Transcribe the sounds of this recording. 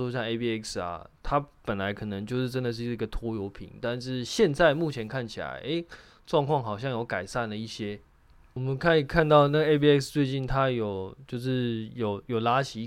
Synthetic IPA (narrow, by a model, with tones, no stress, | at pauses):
o˥˧ɕjɑ˥˧ŋe˥pi˥˧ɛ˥ksɐ̰˨˩t̪ʰa˦˥pə˨˩nla˧˥ɪkʰɤ˨˩nə˧˦ŋt͡ɕjo˥˧ʊʂɻ̩˥˩ʈ͡ʂə˦˥nd̪ə˨ʂ̬̩˥˩˧ɡə˨t̪ʰwɔ˥jo˧˥ʊpʰḭ˨˦ŋt̪a˥˧nʂɻ̩˥˨˧ɕjɛ˥˧nt͡sa˥˧ɪmu˥˩t͡ɕʰjɛ˧˥nkʰa˥˩nt͡ɕʰi˨˩la̰˨˧˦ɪʔe˥ɪ | ʈ͡ʂwɑ˥˧ŋkʰwɑ˥˩ŋxɑ˨˩ʊɕjɑ˥˩ŋjo˧˥ʊka˨˩ɪsa˥˨˩nlə˩i˥˩ɕjɛ˥ | wɔ˨˩mə˨˦nkʰa˥˩ni˨˩kʰa˥˧nt̪ɑ˥˧ʊna˥˩ɡə˩˨e˥pi˥˧ɛ˥˩kst͡swe˥˧ɪt͡ɕi˥˩nt̪ʰa˦˥jo˨˩ʊt͡ɕjo˥˧ʊʂɻ̩˥˩jo˨˩ʊjo˨˩ʊla˥ɕi˧